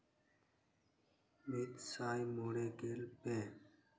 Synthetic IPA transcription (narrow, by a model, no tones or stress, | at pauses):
mit̪saːjmoːɽeːɡeːlpeː